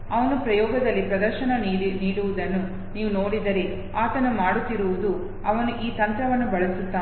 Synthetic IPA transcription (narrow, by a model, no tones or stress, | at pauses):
ɐʋɐnupɾɐjɔːɡɐd̪ɐlːipɾɐd̪ɐɾʃɐnɐniːiniːɽuʋud̪ɐnːu | niːʋuno̞ːɽid̪ɐɾi | aːt̪ɐnɐmaːɽut̪ːiɾuʋud̪u | ɐʋɐnuʔiːt̪ɐnt̪ɾɐʋɐnːubɐɭɐsut̪ːaː